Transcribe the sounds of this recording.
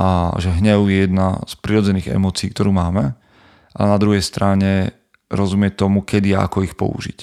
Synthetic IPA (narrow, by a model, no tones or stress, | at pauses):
ʔaʒɛɦɲɛʊjɛjɛd̪na̰spɾiɾɔd͡zɛniːɣɛ̰mɔːt͡siːk̚t̪ɔɾuːmaːmɛ | ʔanad̪ɾuɦɛjst̪ɾaɲɛ | ɾɔzumɪɛt̪ɔmukɛd̪iaa̰kɔixpɔ̰ṵʒḭc